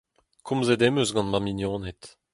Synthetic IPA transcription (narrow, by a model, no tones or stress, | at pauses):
kʰɔ̃mzed̪ɛmøsɡɑ̃nmaminjɔ̃ːnɛt̪